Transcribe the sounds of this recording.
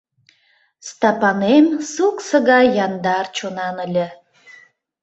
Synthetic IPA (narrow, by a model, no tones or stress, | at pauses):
st̪ɑpɑnemsuksəɣɑjɑnd̪ɑrt͡ɕonɑnəlʲə̆